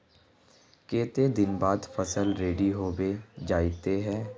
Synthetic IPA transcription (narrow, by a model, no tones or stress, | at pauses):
keːt̪eːd̪ɪnbaːd̪pʰəsəlɾeːɖiːɦoːbeːd͡ʒaːit̪eɦɛː